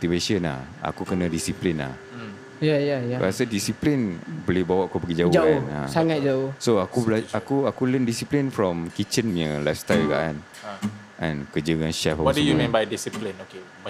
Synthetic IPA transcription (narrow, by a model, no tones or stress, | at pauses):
t̪iveʃənla̰ha̰kukənə̃disiplinla̰h | jajajabə̰asədisiplinbolɪhbawaʔakubəɡid͡ʒaod͡ʒanã̰saŋat̪̚d͡ʒaosoakublaakuakuləndisiplinfɾɔmkit͡ʃənmjə̃lajfst̪alka̰ʔa̰n | ɛ̰̃nkəd͡ʒəŋãnʃɛfɔwɔdəjukɛ̃nbajdisiplĩnoke